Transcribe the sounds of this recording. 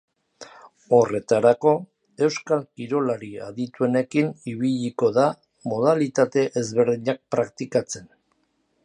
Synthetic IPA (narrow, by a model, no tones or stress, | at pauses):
o̞re̞t̪aɾako̞ | e̞wskalkiɾo̞laɾia̰ðit̪ue̞ne̞kiniβ̞iʎiko̞ða | mo̞ðalit̪at̪e̞ʔezβe̞ɾðiɲak̚pɾakt̪ikat͡se̞n